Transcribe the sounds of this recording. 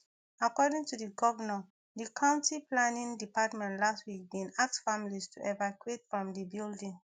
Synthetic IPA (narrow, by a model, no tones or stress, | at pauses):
akɔdĩŋtudiɡɔvənɔ | dikʰãʊ̃ntiplanĩndipatmɛ̃ntlastwik̚bĩnak̚tfamilistʰuʔɛvakuetfɹɔ̃mdibildĩŋ